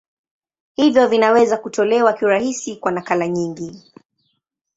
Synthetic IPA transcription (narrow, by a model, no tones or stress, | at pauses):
hivjɔvinawɛzakutɔlɛwakiwɾahisikwanakalaɲiŋɡi